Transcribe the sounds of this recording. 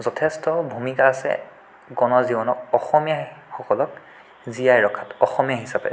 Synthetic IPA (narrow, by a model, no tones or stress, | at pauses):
zɔtʰɛstɔbʱumikaːsɛ̰ | ɡɔnɔɹzibɔnɔk̚ɔxɔmijaxɔkɔlɔk | zijajɹɔkʰatɔxɔmijaɦisapɛ̰